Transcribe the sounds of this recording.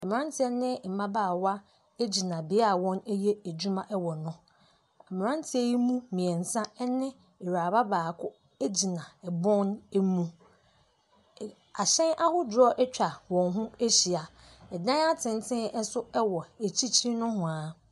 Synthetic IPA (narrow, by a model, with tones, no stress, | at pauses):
ɛ˨m̃˨ã˦n˦tʰɪ˦ɛ˦nɪ̃˦˨m̩˨mã˦baː˦˨wa˦ | e˦d͡ʑi˨nã˨bɪ˨a˦a˨wɔ̃˦ne˦je˦æ˨d͡ʑu˦mã˦ʔɛ˦wɔ˨nʊ̃˦ | a˨mɪ̃˨ɾã˦n˦tʰɪ˨˦e˦ji˦mũ˦mĩ˨ɛ˨n̩˨sã˦ɛ˦nɪ̃˦ | ɛ˨ɾa˨ba˦baː˨kʰʊ˦ | e˦d͡ʑi˨nã˨ɛ˨bɔ̃˦ne˦mũ˦ | a˨ɕɛ̃˦nʔa˦hʊ˦dɾɔ˦ʔɛ˦t͡ɕᶣa˨wɔ̃˨nɦʊ̃˦e˦ɕi˨a˨ | ɛ˨dã˦a˦tʰɪ̃˨n˦tʰɪ̃˦n˦sʊ˦ɛ˦wɔ˨e˨t͡ɕʰi˦t͡ɕʰi˦nʊ̃˦hʊ̃˨a˨˦